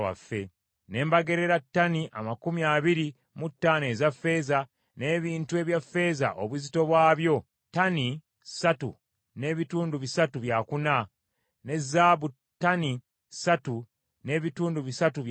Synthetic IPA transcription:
wa̰fːe̞ | ne̞ːmbaɡe̞ɾe̞ɾatːaniʔa̰makumiaːβiɾi | mutːaːne̞zafːe̞ːza | ne̞ːβiːntue̞ːβjafːe̞ːza̰ʔo̞̰βuzito̞βwaːβjo̞ | tani | satu | ne̞βituːnduβisatuβjaːkuna | ne̞zːaβu | tːani | satu | ne̞ːβituːnduβisatuβ

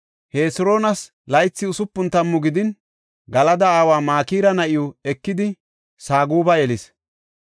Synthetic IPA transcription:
heːsʊɾo̞ːnɐs | lɐjt͡sːɪʊsʊpːʊnt̪ɐmːʊɡɪd̪ɪn | ɡɐlɐd̪ɐaːwaːmaːkiːɾɐnɐʔɪjʊɛkːɪd̪ɪ | saːɡuːbɐjɛlɪs

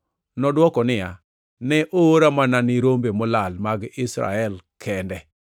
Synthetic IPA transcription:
nɔdwɔkɔnɪja | nɛʔooɾamananɪɾombemɔlalmaɡɪsɾa̰ɛlkʰɛndɛ

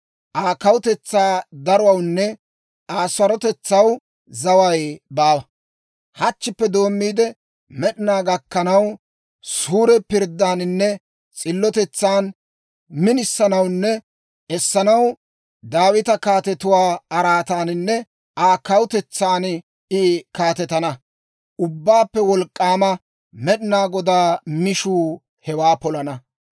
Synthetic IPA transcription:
ʔaːkɐwʊt̪ɛt͡sːaːd̪ɐɾʊwɐwnːɛ | aːswɐɾɔt̪ɛt͡sːɐw | zɐwɐjbaːwɐ | hɐt͡ʃːɪpːɛd̪o̞ːmːiːd̪ɛ | mɛɗɪnaːɡɐkːɐnɐw | suːɾɛpɪɾd̪aːnnːɛ | t͡sʼɪlːɔt̪ɛt͡sːaːn | mɪnɪsːɐnɐwnːɛ | ʔɛsːɐnɐw | d̪aːwɪt̪ɐkaːt̪ɛt̪ʊwaːɐɾaːt̪aːnɪnːɛ | ʔaːkɐwʊt̪ɛt͡sːaːn | ɪkaːt̪ɛt̪ɐnɐ | ʔʊbːaːpːɛwɔlkʼːaːmɐ | mɛɗɪnaːɡɔd̪aːmɪʃuː | hɛwaːpɔlɐnɐ

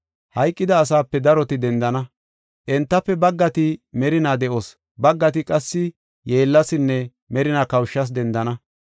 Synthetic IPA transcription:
hɐjkʼːɪd̪ɐːs̬aːpːɛd̪ɐɾɔt̪ɪd̪ɛnd̪ɐnɐ | ʔɛnt̪ːɐpːɛbɐɡːɐt̪ɪmɛɾɪnaːd̪ɛʔoːs | bɐɡːɐt̪ɪkʼɐsːɪ | je̞ːlːɐsɪnːɛ | mɛɾɪnakɐwʃːɐs̬d̪ɛnd̪ɐnɐ

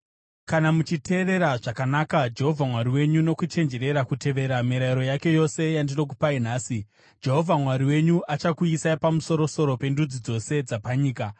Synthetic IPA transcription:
kanamut͡ʃitʰe̞ːɾe̞ɾaʐakanakad͡ʒe̞ɦo̞vʱamwaɾiwe̞ɲuno̞kut͡ʃe̞nd͡ʒe̞ɾe̞ɾakute̞ʋe̞ːɾamiɾaiɾo̞jake̞jo̞se̞jandino̞k̬upainaːsi | d͡ʒe̞ɦo̞vʱamwaɾiwe̞ɲuʔat͡ʃakuisaipamuso̞ɾo̞so̞ɾo̞pe̞ndud͡zid͡zo̞se̞d͡zapaɲiːka

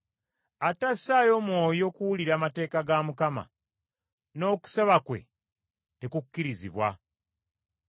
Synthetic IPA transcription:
atasaːjo̞mwo̞ːjo̞ːkuwuliɾaːmate̞ːkaɡamukama̰ | no̞ːku̥seβakwe̞̰ | te̞kukːiɾizḭβwa̰

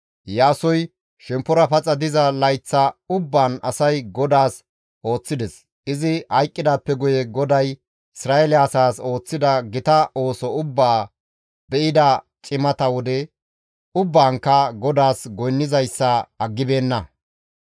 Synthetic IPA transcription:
jaːsɔj | ʃɛmpːɔɾɐpɐt͡sʼːɐd̪ɪzɐlɐjt͡sːɐʊbːaːnɐsɐjɡɔd̪aːs | ʔo̞ːt͡sːɪd̪ɛs | ʔɪzɪhɐjkʼːɪd̪aːpːɛɡʊjɛɡɔd̪ɐj | ɪsɾaːʔɛlɪɐsaːso̞ːt͡sːɪd̪ɐɡɪt̪ɐʔo̞ːsɔʊbːaː | b̥ɛʔɪd̪ɐt͡ʃʼɪmɐt̪ɐwɔd̪ɛ | ʊbːaːŋkːɐɡɔd̪aːsɡɔjnːɪzɐjsːɐɐɡːɪbe̞ːnːɐ

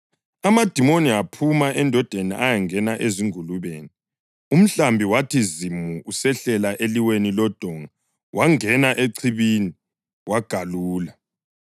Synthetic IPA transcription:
amad̥ʱimoniapʰumaʔɛndʱɔd̥ʱeniʔajaŋɛnaʔeziŋuluβeːni | um̩ɬambʱiwatʰizimuʔusɛɬɛlaʔeliwenilɔd̥ʱɔŋa | wʔaŋɛnaʔeǀʰiβini | waɡ̥ʱaluːla

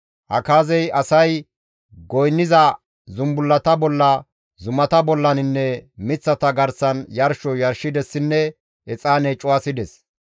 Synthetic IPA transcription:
ʔɐ̰kaːzɛjɐsɐj | ɡɔjnːɪzɐ | zʊmbʊlːɐt̪ɐbɔlːɐ | zʊmɐt̪ɐbɔlːɐnɪnːɛmɪt͡sːɐt̪ɐɡɐɾsɐnjɐɾʃɔjɐɾʃɪd̪ɛsːɪnːɛ | ɛt͡sʼaːnɛːt͡ʃʼʊwɐsɪd̪ɛs

